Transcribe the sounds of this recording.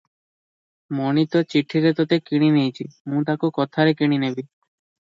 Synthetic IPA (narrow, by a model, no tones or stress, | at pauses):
monit̪ot͡ɕiʈʰiɾet̪ot̪ekiɽ̃inijt͡ɕʰimũt̪̬akokɔt̪ʰaɾekiɽ̃inebi